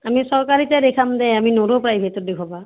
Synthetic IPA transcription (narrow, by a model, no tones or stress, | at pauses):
amisɔɹkaɹitɛdekʰamdɛaminoɾopɹajbʱetɔt̚dekʰɔba